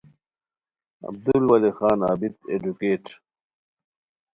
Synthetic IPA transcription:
ɐ̰b̚d̪ulwɐlixaːnaːbit̪ed͡ʑukeːʈ

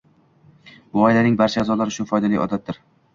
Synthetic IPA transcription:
bʊɒjlanɪŋbaɾt͡ʃʰaːzɒlaɾɪʃʊfɒjd̪alijʔɒ̰d̪at̪̚d̪ɪɾ

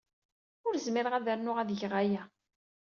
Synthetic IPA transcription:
ʊɾzmɪɾəʁæðəɾnʊʁæðʝʁæjæ

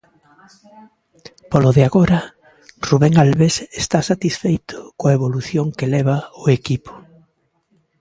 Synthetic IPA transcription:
poloðeaɣoɾɐ | ruβeŋalβesest̪asat̪isfejt̪ʊ̥koaeβoluθjoŋkelɛβaoekipo̥

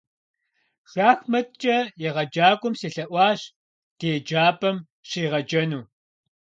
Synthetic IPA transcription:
ɬaːxmɐt̪̚t͡ʃʼɐjɐʁɐd͡ʒaːkʷʼʊmsiɬɐʔʷɑːɕ | teːd͡ʒaːpʼɐm | ɕiːʁɐd͡ʒɐnuː

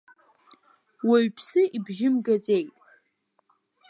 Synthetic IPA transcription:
waɥpʰsɨibʒɪmɡad͡zejtʼ

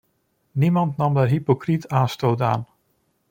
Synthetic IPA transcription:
nimɑntnɑmdərɦipokritaːnstoːta̰ːn

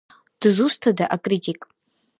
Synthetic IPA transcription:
d̥ɨzustʰadaʔakʼritʼikʼ

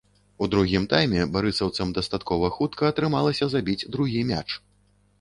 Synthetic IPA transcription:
ud̪ɾuɣʲimt̪ajmʲɛbaɾɨsɐwt̪sɐmd̪ɐst̪at̪kɔvɐxut̪kɐːt̪ɾɨmalˠɐsʲɐzabʲid͡zʲd̪ɾuɣʲimʲa̰t͡ʂ

